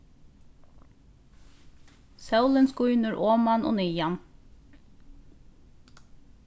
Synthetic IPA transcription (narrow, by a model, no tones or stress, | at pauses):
sɑʉlənskʊʏnəɹʔoːmɑnʔo̰ːnʏːjɑn